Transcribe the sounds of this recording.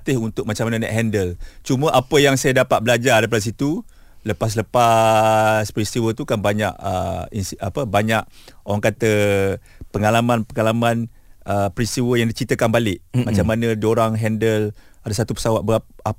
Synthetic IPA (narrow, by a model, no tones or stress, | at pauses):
t̪ɪhunt̪ʊk̚mat͡ʃamanənɛ̰ʔɦɛndəlt͡ʃumə̃ʔapəjaŋsajadapat̪̚bəlad͡ʒadajp̬adas̬it̪u | ləpas̬ləpa | spəɾist̪iwət̪ukanbaɲa̰ʔə̰insapəbaɲaʔ̚oɾaŋkat̪ə | pəŋalamãnpəŋalamãnəpəɾist̪iwəjaŋdit͡ʃɾit̪əkanbalɪʔmat͡ʃamːanə̃dioɾaŋɦɛndəl | adasat̪upə̥sawat̪̚bəap̚a